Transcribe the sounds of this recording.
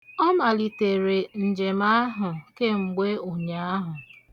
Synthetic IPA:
ɔ˦ma˨li˨te˨ɾe˨n̩˨d͡ʒe˨ma˦a˦ɦʊ˨ke˦ŋ͡m̩˨ɡ͡be˦o˨ɲa˨a˦ɦʊ˨

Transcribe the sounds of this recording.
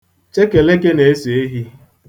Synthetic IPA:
t͡ʃe˦ke˨le˦ke˦ne˨e˦se˨e˦ɦi˦

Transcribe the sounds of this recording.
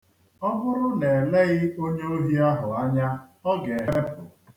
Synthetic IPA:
ɔ˦bʊ˦ɾʊ˦ne˨e˨le˦ɣɪ˦o˦ɲe˦o˦ɦi˦a˦ɦʊ˨a˦ɲa˦ɔ˦ɡe˨ɦe˦ɾe˦pʊ˨

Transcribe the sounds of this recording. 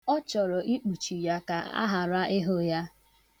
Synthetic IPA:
ɔ˦t͡ʃɔ˨ɾɔ˨ʔi˦k͡pu˨t͡ʃi˨ja˦ka˨a̰˦ɦa˨ɾa˦ɪ˦ɦo˦ja˦

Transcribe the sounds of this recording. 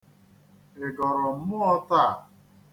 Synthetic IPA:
e˨ɡɔ˨ɾɔ˨m̩˦mʊ˦ɔ˦ta˦˨

